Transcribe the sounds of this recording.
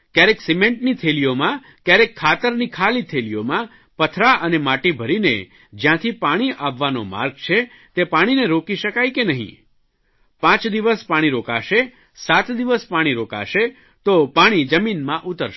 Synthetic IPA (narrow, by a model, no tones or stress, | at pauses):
kjaɾeksimẽɳʈnit̪ʰeliomã | kjaɾekʰːat̪əɾnikʰalit̪ʰeliomã | pət̪ʰɾaʔənemaʈibʱəɾinḛ | d͡ʒjãt̪ʰipaɽ̃iʔaʋːanoma̰ɾɡ̚t͡ʃʰe | t̪epaɽ̃ineɾokiʃəkajkenəɦḭ̃ | pãt͡ʃd̪iʋəspaɽ̃iɾoka̰ʃe | sat̪d̪iʋəspaɽ̃iɾoka̰ʃe | t̪opaɽ̃id͡ʒəminmãʔut̪əɾʃ